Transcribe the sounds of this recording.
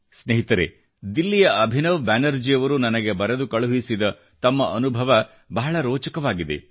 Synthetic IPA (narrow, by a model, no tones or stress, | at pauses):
sneɦit̪ɐɾe | d̪ilːijɐʔɐbʱinɐʋbaːnɐɾd͡ʒijɐʋɐɾunɐnɐɡe̞bɐɾɐd̪ukɐɭuɦisid̪ɐ | t̪ɐmːɐʔɐnubʱɐʋɐ | bɐɦɐɭɐɾoːt͡ʃɐkɐʋaːɡid̪ḛ